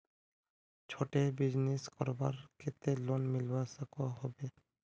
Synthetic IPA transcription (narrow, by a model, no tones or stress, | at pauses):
t͡ʃʰoʈebid͡ʑneskɔɾbaɾkʰet̪elonmilbasakɦɔbe